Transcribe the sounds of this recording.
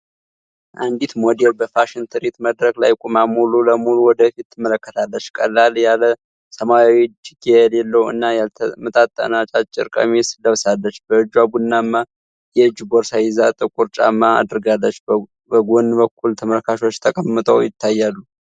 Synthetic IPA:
ʔand̪it̪mod̪elbəfaʃɪnt̪ʰɨɾit̪məd̪ɾəklajkʼumamululəmuluwɔd̪əfit̪ːɨmːələkːət̪ʰalːət͡ʃːkʼəlːaljalə | səmaawit͡ʃiɡealelːəwɨ̰nːajalʰmɨt̪ʼat̪ʼːə̰nat͡ʃʼat͡ʃʼːɪ̰ɾkʼə̰mesɨləβsalːət͡ʃːbəɨd͡ʒwabunːamːa | jɛɨd͡ʒːɡoɾsajɪzat̪ʼɨkʼuɾt͡ʃʼa̰mːaa̰d̪ɾɡalːət͡ʃː | bəɡonbəkʰʼːult̪ʰəməlkʰaʃo̞t͡ʃːt̪ʰəkʼəmːɨt̪ʼəwjɪt̪ʰːajːalːu

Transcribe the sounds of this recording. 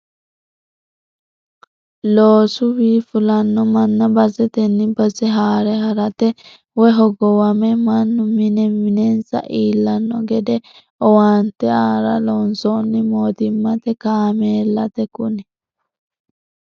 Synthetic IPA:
loːsʊwiːfʊlɐnːɔmɐnːɐbɐzɛt̪ɛnːɪbɐzɛɦaːɾɛɦɐɾɐt̪ɛ | wɔɦɔɡɔwɐmɛmɐnːʊmɪnɛmɪnɛnsɐ̰ʔiːlːɐnːɔɡɛd̪ɛ | ɔwaːnt̪ɛaːɾɐlonsonːɪmoːt̪ɪmːɐt̪ɛkaːmeːlːɐt̪ɛkʊnɪ

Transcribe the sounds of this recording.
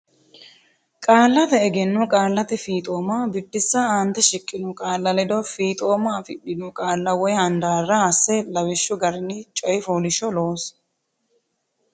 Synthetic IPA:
kʼaːlːɐt̪ɛːɡɛnːʊkʼaːlːɐt̪ɛfiːt̪ʼo̞ːmaːbɪd̪ːɪsːaaːnt̪ɛʃɪkʼːɪnʊkʼaːlːɐlɛd̪ɔfiːt̪ʼo̞ːmaːfɪɗːɪnʊkʼaːlːɐwɔjhɐnd̪aːrːɐɐsːɛlɐwɪʃːʊɡɐɾnit͡ʃʼɔjɪfoːlɪʃɔloːs

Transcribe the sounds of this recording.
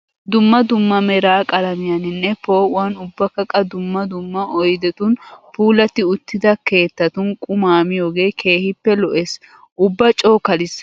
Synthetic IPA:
d̪ʊmːɐd̪ʊmːɐmɛɾaːkʼɐlɐmɪjɐnɪnːɛpoːʔʊwaːnʊbːɐkːɐkʼːɐd̪ʊmːɐd̪ʊmːɐʔɔjd̪ɛt̪ʊnpuːlɐt̪ːɪʊt̪ːɪd̪ɐke̞ːt̪ːɐt̪ʊnkʼʊmaːmɪjo̞ːɡe̞ːkʰe̞ːhɪpːɛlɔʔes | ʔʊbːɐt͡ʃʼo̞ːkɐlɪs

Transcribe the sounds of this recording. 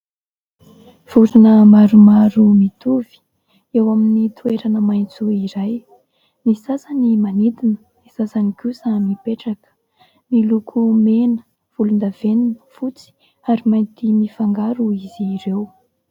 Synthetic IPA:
v̥uɾinəmaɾumaɾumit̪uvi̥ | ewaminit̪ʰueɾanəmajnt͡suiɾaj | misasanimanit̪inə̥ | misasanikusamipeʈ͡ʂakə̥ | milukʰumenə̥ | v̥ulund̪aveninəfut͡si̥ | aɾimajnt̪imifaŋɡaɾuiziɾew

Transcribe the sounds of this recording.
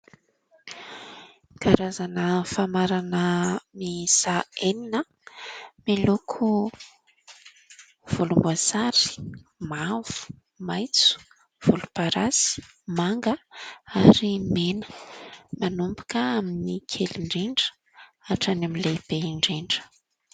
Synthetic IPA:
kaɾazanəfamaɾanəmisaeninə | milukʰu | v̥ulumbuasaɾi̥mav̥u̥ | majt͡su̥ | v̥ulupaɾazi̥ | maŋɡəaɾimenə̥manumbu̥kəaminikʰeliɳɖ͡ʐeɳɖ͡ʐə̥ | aʈ͡ʂanamileb̥eɳɖ͡ʐeɳɖ͡ʐə̥

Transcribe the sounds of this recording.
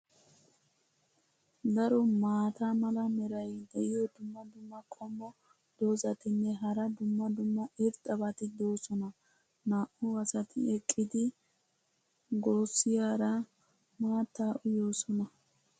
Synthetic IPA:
d̪ɐɾɔmaːt̪amɐlɐmɛɾɐjd̪ɛʔɪjɔd̪ʊmːɐd̪ʊmːɐkʼɔmːɔ | d̪̥o̞ːzɐt̪ɪnːɛɦɐɾɐd̪ʊmːɐd̪ʊmːɐʔɪɾt̪ʼːɐbɐt̪ɪd̪o̞ːsɔnɐ | naːʔʊwɐsɐt̪ʰɪ̰ɛkʼːɪd̪ɪ | ɡo̞ːsːɪjaːɾɐ | maːt̪ːaːʔʊjo̞ːsɔnɐ

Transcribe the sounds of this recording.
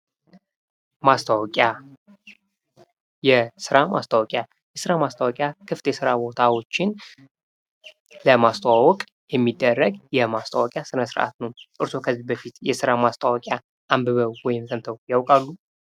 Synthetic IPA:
mast̪ʰawɔkʼja | jɛsɨɾamʔa̰st̪ʰawɔkʼja | jɛsɨɾamast̪ʰawɔkʼjakʰɨft̪ʰjɛsɨɾabo̞t̪ʰawo̞t͡ʃːɪn | ləmast̪ʰawawɔkʼ | jɛmːid̪ːərːəɡjɛmast̪ʰa̰wɔkʼjasɨnəsɨɾʔa̰t̪nəwt̪ʼɨɾsʰo̞kʰəzːihbəfit̪jɛsɨɾamast̪ʰawɔkʼja | ʔambəβəwwɔjɪmsənt̪ʰəwjawkʼalːu

